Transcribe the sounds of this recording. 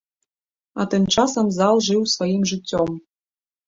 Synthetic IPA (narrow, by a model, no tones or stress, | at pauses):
at̪ɨmt͡ʂasɐmzalˠʐɨwsvajimʐɨt͡sʲːɔm